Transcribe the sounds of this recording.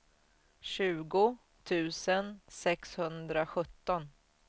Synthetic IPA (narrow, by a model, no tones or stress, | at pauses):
ɕʉ̟ːɡʊ | t̪ʰʉ̟ːsənsɛkshɵnd̪ɾaɧɵt̪ːɔn